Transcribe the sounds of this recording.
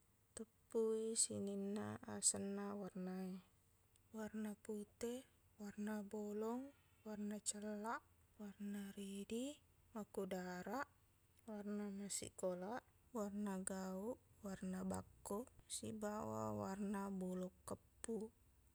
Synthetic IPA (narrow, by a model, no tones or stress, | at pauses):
t̪əpːuisḭninːa̰asənːawarnae | warnaput̪ɛ | warnabɔlɔŋ | warnat͡ʃəlːaʔ | warnaɾidi | makudaɾaʔ | warnanasḭkolaʔ | warnaɡauʔwarnaba̰kːɔsibawa̰warnabɔlɔkːəpːu